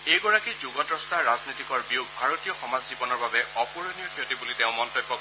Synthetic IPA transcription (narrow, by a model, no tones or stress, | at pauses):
ejɡɔɹakizuɡɔtɹɔstaɹaznitikɔɹbijuɡ̚bʱaɹotijɔxɔmazzibɔnɔɹbabɛɔpuɹonijɔkʰiotibuliteʊ̃mɔntɔjbːɔk